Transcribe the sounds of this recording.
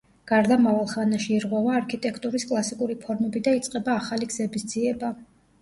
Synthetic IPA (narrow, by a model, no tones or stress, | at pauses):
ɡ̥aɾd̪amavalˠχanaʃiːɾʁwɛvaːɾkʰit̪ʼɛkʰt̪ʼuɾiskʼlˠasikʼuɾipʰɔɾmɛbid̪ait̪sʼqʼɛbaːχaliɡzɛbisd̪z̥iɛba